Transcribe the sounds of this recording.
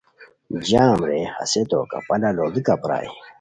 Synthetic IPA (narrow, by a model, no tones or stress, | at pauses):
d͡ʑaːmɾehɐ̰set̪o̰ka̰pɐlaloɡikapɾa̰ːj